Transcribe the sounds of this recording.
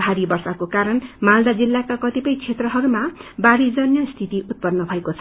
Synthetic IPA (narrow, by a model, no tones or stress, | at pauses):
aɾibʌrsakokaɾʌnmald̪ad͡zilːakakʌt̪ipʌjt͡sʰet̪rʌɦʌɾumabaɾid͡zʌnjʌst̪ʰit̪iʔut̪̚pʌnːʌbʱʌekot͡sʰʌ